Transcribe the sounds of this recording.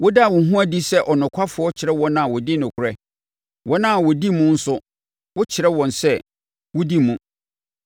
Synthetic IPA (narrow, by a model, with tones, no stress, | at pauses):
wʊ˦da˦˨wʊ̃˨ɦũ˦æ˦di˦sɛ˦ʔɔ˨nʊ̃˨kʷʰa˦fʊ˨˦ɔ˦t͡ɕʰɪ˨ɾɛ˦wɔ̃˦nã˨wɔ˨dɪ˦nʊ̃˨kʰʊ˨ɾɛ˦ | wʔɔ̃˦nã˦˨wɔ˨di˦mũ˦n̩˦sʊ˦ | wʊ˦t͡ɕʰɪ˨ɾɛ˦wɔ̃˨nsɛ˦ | wʊ˦di˦mũ˨